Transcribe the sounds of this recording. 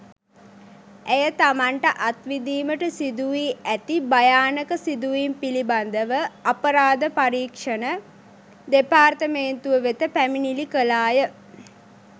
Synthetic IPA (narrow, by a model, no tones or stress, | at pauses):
æjət̪amaɳʈəʔat̪ʋid̪iːməʈəsid̪uʋiːæt̪ibajaːnəkəsid̪uʋimpiliband̪əʋəapəɾaːd̪əpaɾiːkʂənə | d̪epaːrt̪əmeːnt̪uʋəʋet̪əpæminilikəlaːjə